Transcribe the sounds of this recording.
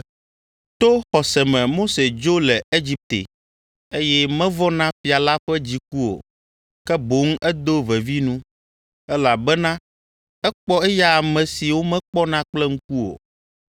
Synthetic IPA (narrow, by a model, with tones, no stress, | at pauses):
t̪o˦xɔ˨sɛ˨mɛ̃˨mo˦se˨d͡ʒo˦lɛ˨e˦d͡ʑi˦p̚t̪ḛ˨ | e˦jɛ˦mɛ̃˦vɔ˦nã˦fi˨a˨la˦ɸɛ˦d͡ʑi˨k̚u˦o̰˨ | kɛ˦bo˨˦ŋ̩˦ɛ˦d̪o˦vɛ˨vi˦nũ˦ | ɛ˦la˨bɛ˦nã˦ | ɛ˦k͡pɔ˦ɛ˦ja˦a˨mɛ̃˨si˨wo˦mɛ̃˦k͡pɔ˦nã˦k͡plɛ˦ŋ̩˦ku˦o̰˨